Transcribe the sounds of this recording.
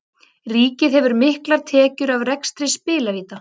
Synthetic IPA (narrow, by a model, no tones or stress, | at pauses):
riːcɪðhɛvʏɾmɪhklaɾ̥t̪ʰɛːcʏɾavrɛkst̪ɾɪspɪːlaviːt̪a